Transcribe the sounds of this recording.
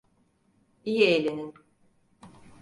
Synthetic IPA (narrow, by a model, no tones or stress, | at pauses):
ijielʲenin